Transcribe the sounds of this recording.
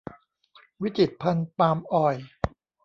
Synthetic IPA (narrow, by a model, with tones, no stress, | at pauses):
wi˦˥t͡ɕi˨˩t̪̚pʰa˧npaː˧mʔɔː˨˩j